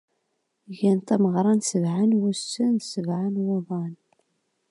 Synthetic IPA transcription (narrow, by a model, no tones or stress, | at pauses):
ʝænt̪æməʁɾˤɑnsəvʕanwusːənsəvʕanwoðˤɑn